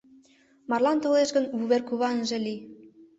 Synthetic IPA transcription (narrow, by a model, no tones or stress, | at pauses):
mɑrlɑnt̪oleʃɣə̆nvuβerkuβɑnʒĕli